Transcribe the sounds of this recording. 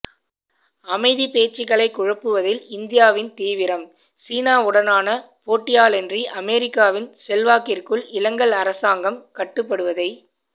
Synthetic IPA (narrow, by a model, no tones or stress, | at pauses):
ɐmɐɪðipeːt͡ʃːɪɣɐɭɐɪkːʊɻɐpːɯʋɐðɪlɪnd̪ɪjaːʋɪnt̪iːʋɪɾɐm | siːnaːʊɽɐnaːnɐ | poːʈːɪjaːlɛndriʔɐmɛɾɪkːaːʋɪnsɛlʋaːkɪrkɯɭɪlɐŋɡɐɭɐɾɐsaːŋɡɐmkɐʈːɯpːɐɽɯʋɐðɐɪ